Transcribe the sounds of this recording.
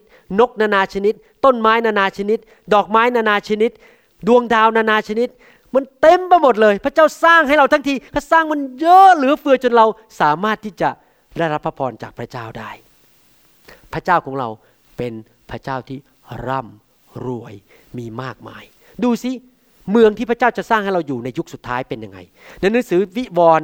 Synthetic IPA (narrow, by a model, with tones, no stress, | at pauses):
no˦˥k̚naː˧naː˧t͡ɕʰa˧ni˦˥t̪̚ | t̪ːo˥˩nmaː˦˥jnaː˧naː˧t͡ɕʰa˧ni˦˥t̪̚ | dɔː˨˩k̚maː˦˥jnaː˧naː˧t͡ɕʰa˧ni˦˥t̪̚ | du˧əŋdaː˧wnaː˧naː˧t͡ɕʰa˧ni˦˥t̪̚ | ma˧˥˨nt̪e˧mpa˧jmo˨˩t̪̚lɤː˧jpʰɾa˥˩t͡ɕaː˥˩wsaː˥˩ŋhɦa˥˩jɾa˧wt̪ʰa˦˥ŋt̪ʰiː˧kʰaː˥˩saː˥˩ŋma˧˨njɤː˦˥lɯː˩˦fɯ˧ɐt͡ɕo˧nɾa˧w | saː˩˦maː˥˩t̪ʰːiː˥˩t͡ɕa˨˩ | daː˥˧˩jɾa˦˥pʰːa˦˥pʰɔː˧nt͡ɕaː˨˩k̚pʰɾa˧˥t͡ɕaː˥˩wdaː˥˩j | pʰɾa˧˥t͡ɕaː˥˩wkʰɔː˩˦ŋɾa˧w | pe˧n | pʰɾa˧˥˩t͡ɕaː˥˩wt̪ʰiː˥˩ | ɾa˥˩m | ɾu˧˩əj | miː˧maː˥˩k̚ma̰ː˧j | duː˧si˦˥ | mɯ˧əŋt̪iː˥˩pʰa˧˥t͡ɕaː˥˩wt͡ɕa˨˩saː˥˩ŋha˥˩jɾa˧wjuː˨˩na˧ju˦˥k̚su˨˩t̪ʰːaː˦˥jpe˧nja˧ŋːa̰˧j | na˧jnɯ˦˥ŋsɯː˩˦wi˦˥wɔː˧n